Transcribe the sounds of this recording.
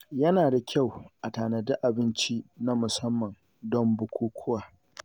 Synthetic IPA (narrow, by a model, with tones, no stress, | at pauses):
jɐ˦naː˨da˨kʲa˦˨wʔa˨taː˨nɐ˨dʊ˦ʔa˨bɪ˦nt͡ʃi˦na˦mʊ˨sɐ˦mːɐ˨ŋ | dɔ˦mbʊ˦kʷuː˦kʷʰʊ˦waː˨